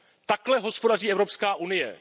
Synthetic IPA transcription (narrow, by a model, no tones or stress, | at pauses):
t̪aklɛɦo̞spo̞dariːʔɛvɾo̞pskaːʔunɪjɛ̰